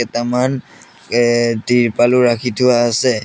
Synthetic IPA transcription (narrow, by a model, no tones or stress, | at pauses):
ɛtaman | diɹpalʊɹakʰitʰʊaːsɛ